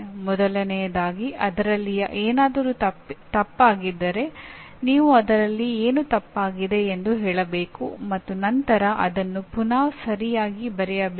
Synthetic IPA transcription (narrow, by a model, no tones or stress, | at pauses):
mɔd̪ɐlɐnɛjɐd̪aːɡiʔɐd̪ɐɾɐlːijɐ̰ʔeːnaːd̪ɐɾuːɐt̪ɐpːaːɡid̪ːɐɾe̞ | niːʋuɐd̪ɐɾɐlːieːnut̪ɐpːaːɡid̪e̞ːnd̪uɦɛːɭɐbeːkumɐt̪ːunɐnt̪ɐɾɐʔɐd̪ɐnːupunaːʋsɐɾijaːɡibɐɾɛjɐb